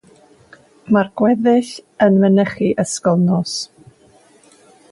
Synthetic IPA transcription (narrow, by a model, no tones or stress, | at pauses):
marɡ̥wɛðɪɬənvənəχiʔəskɔlˠnɔs